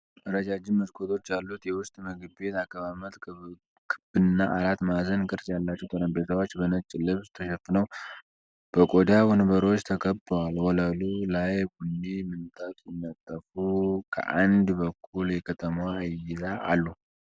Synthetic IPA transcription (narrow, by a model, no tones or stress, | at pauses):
ʔɨɾəd͡ʒad͡ʒɪmmːəskʰot̪ʰo̞t͡ʃːjalːut̪jɛwʊst̪ʼməɡɨbe̞t̪akːəβamət̪ | kʰɨb̥ɨnːaʔalat̪mazənkʼɨɾsjalːat͡ʃːɛwt̪ʼəɾəmbet̪awot͡ʃːbənət͡ʃʼːɪlɨβst̪ʰəʃɛfnəw | b̥əkʼod̪awonbəɾwot͡ʃːt̪ʰəkʰəbwalhɔlalulajɡunːimɨnt̪ʼat̪ʼjɪnːat̪ʼːəfukʰə̰ʔand̪bəkʰːuljɛkʰət̪ʰəmajɪzaːlːu